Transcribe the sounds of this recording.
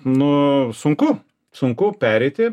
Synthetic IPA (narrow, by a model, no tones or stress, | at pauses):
nʊsʊŋkʊ | sʊŋkʊpʲæːɾʲɛɪt̪ʲɪ